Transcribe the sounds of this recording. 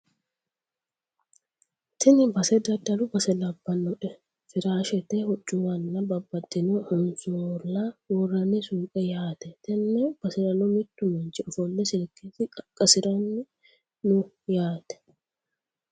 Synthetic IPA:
t̪ʰɪnɪbɐsɛd̪ɐd̪ɐlʊbɐsɛlɐbːɐnːɔᶑɛ | fɪɾaːʃɛt̪ɛhɔt͡ʃːuwɐnːɐbɐbːɐd̪ːɪnuhʊnsolːawɔrːɐnɪsuːkʼɛjaːt̪ɛt̪ɛnːɛb̥ɐsɛɾɐnɔmɪt̪ːʊmɛnt͡ʃɪɔfɔlːɛsɪlketɪkʼɐkʼːɐsɪɾɐnːɪ | nʊ | jaːt̪ɛ̥

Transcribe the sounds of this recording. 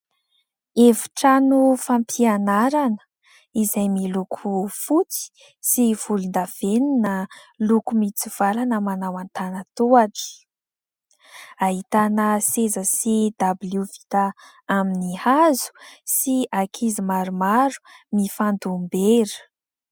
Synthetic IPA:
evu̥ʈ͡ʂanufampʰianaɾanə̥ | izajmilukʰufut͡si̥ | siv̥ulund̪av̥eninəlukumit͡siv̥alanəmanawant̪anət̪uaʈ͡ʂi̥ | aɦit̪anəsezəsid̪abiljuvi̥t̪a | aminihazu̥siakʰizimaɾumaɾu̥mifand̪umbeɾə̥

